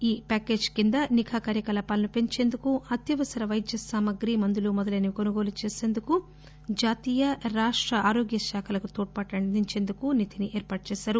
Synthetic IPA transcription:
iːpaːkeːd͡ʒkind̪ɐnikʰaːkaːɾjɐkɐlɐpaːlɐnupe̞ɲt͡ʃe̞ːnd̪ukuɐt̪jɐʋɐsɐɾɐʋɐjd̪jɐsaːmɐɡɾimɐnd̪ulumɔd̪ɐlɐːnikonuɡo̞ːlut͡ʃeːse̞ːnd̪uku | d͡ʒaːt̪iːjɐɾaːʂʈɾɐaːɾoːɡjɐʃaːkʰɐlɐkut̪oːʈ̚pɐʈːɐd̪iɲt͡ʃe̞ːnd̪ukunit̪ʰiniʔɛːɾpaːʈ̚t͡ʃɛːʃaːɾu

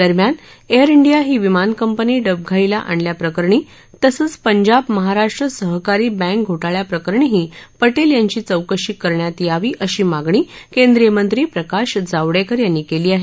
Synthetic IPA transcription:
d̪əɾmjan | eəɾiɳɖijaɦiːʋimankəmpəniːɖəb̚ɡʱaila̰ʔa̰ɳljapɾəkəɾɳiː | t̪əsət͡spəɲd͡ʑabməɦaɾaʂʈɾəsəɦkaɾiːbɛ̃k̚ɡʱoʈaɭjapɾəkəɾɳiɦiːpəʈeljaɲt͡ɕiːt͡səwkəɕikːəɾɳjat̪iːaʋiːʔəɕiːmaɡɳ̃iːkend̪ɾijəmənt̪ɾiːpɾəkaɕd͡zaʋɽekəɾjanːikeliːaɦe

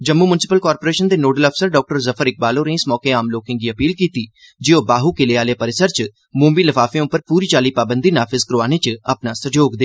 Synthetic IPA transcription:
d͡ʒəmːuːmʊnɪsɪpəlkaːɾpoːɾeːʃənd̪eːnoːɖələpʰsəɾɖɔːk̚ʈəɾzəpʰəɾɪk̚baːloːɾẽːsmɔːkeːaːmloːkɪ̃ŋɡiːəpiːlkiːt̪iː | d͡ʒɪoːbaːɦuːkɪleːaːleːpəɾɪsəɾt͡ʃ | mũːmbiːləfʰaːfẽːʊpːəɾpuːɾiːt͡ʃaːliːpaːbə̃nd̪iːnaːpʰɪzkɾoaːneːt͡ʃə̰pnaːsəd͡ʒoːɡd̪eː

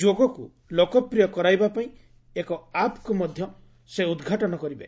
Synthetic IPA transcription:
d͡ʒoɡɔku | lokɔpɾijɔkɔɾajbapaĩ | ekɔapkumɔd̪ʱjɔ | seud̪ɡʱaʈɔñɔkɔɾibe

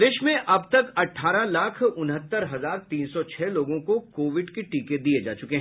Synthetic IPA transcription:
d̪eːʃmẽʔɐbt̪ɐkɐʈʰːaːɾalaːkʰʊnɦət̪ːəɾɦɐzaːɾt̪iːnsɔt͡ʃʰɛːloːɡõkokoːʋɪɖkeʈiːked̪ied͡ʒa̰ːt͡ʃʊkeɦ

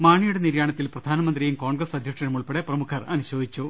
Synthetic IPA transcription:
maːɳijuɽeniɾjaːɳɐt̪ːilprɐd̪ʱaːnɐmɐnd̪rijumko̞ːɳɡrɐsɐd̪ʱjɐkʂɐnɐmuɭpeɽeprɐmukʰɐrɐnuɕo̞ːd̪it͡ɕːu

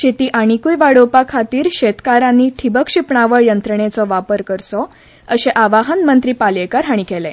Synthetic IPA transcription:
ɕet̪iːʔaɽ̃ikuːjʋaɽopakʰat̪iːɾɕet̪kaɾãnːiːʈʰibəkɕipɳaʋəɭjənt̪ɾəɳet͡sɔʋapəɾkəɾsɔ | əɕeʔaʋaɦənmənt̪ɾiːpaljekəɾɦaɽ̃ikelẽ

